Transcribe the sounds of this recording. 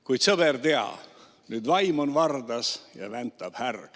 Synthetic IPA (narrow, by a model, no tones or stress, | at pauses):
kujd̪̥sɤbert̪eɑ̰ | nyːd̪vɑjmonvɑrd̪ɑsjɑ̰vænt̪ːˑɑb̥hærɡ̥